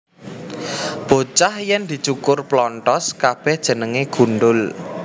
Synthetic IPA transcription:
b̥o̤t͡ʃahjɛnd̪̥i̤t͡ʃukʊrplɔntɔskab̥ɛhd̥ʒ̥ə̤nəŋeɡ̥ṳnɖʊl

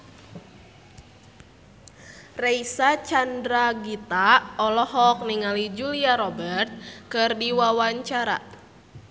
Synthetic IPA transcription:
rɛisat͡ʃandɾaɡit̪aɔlɔɦɔk̚niŋalid͡ʒuliaɾɔbɛrt̪̚kɨrdiwawaɲt͡ʃaɾa̰

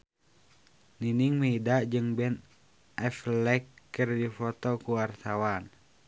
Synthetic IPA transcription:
niniŋmɛidaʔd͡ʒɨŋbɛn | ʔɛflɛkːərdifɔt̪ɔkuwart̪awan

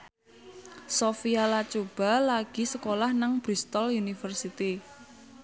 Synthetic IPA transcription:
sofialat͡ʃob̥a̤laɡ̥i̤səkolahnaŋb̥ɾist̪ɔlunifərsit̪i

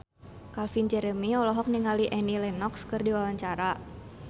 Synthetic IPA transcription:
kalfind͡ʒɛɾəmiɔlɔɦɔk̚niŋaliʔɛnilɛnɔkskɨrdiwawaɲt͡ʃaɾa

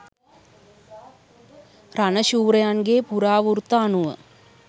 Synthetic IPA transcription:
rɐnɐɕuːrɐjaːnɡeːpuɾaːʋurt̪ːaːnuʋɐ̰

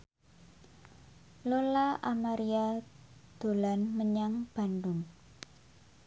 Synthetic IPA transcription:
lolaʔamaɾiad̪̥o̤lanməɲaŋb̥a̤ndʊn

